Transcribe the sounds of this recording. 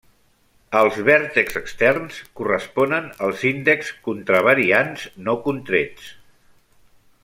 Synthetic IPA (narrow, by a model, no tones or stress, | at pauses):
əlˠzβɛɾt̪əkzəkst̪ɛrnskurəspɔnənəlˠzind̪əkskunt̪ɾəβəɾianznokunt̪ɾet͡s